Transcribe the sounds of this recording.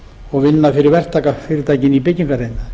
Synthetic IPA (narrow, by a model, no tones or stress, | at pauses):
ɔɣvɪnːafɪɾɪɾvɛr̥t̪ʰːaːkafɪɾɪɾt̪ajcɪnip̬ejcːɪŋkarejnːa